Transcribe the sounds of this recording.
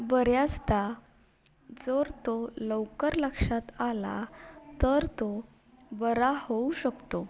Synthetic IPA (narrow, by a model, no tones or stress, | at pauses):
bəɾjat͡sd̪a | d͡zəɾt̪oləwkəɾləkʂat̪ala̰t̪əɾt̪o | bəɾahouɕəkt̪o